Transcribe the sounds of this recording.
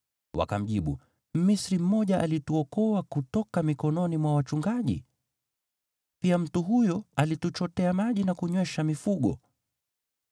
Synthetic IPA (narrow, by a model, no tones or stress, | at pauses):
wa̰kam̩ʄiɓṵ | misɾim̩mɔʄaʔalituɔkɔwakutɔkamikɔnɔnimwawat͡ʃuŋɡaʄḭ | piam̩tuɦujɔalitut͡ʃɔtɛamaʄinakuɲwɛʃamifuɠɔ̰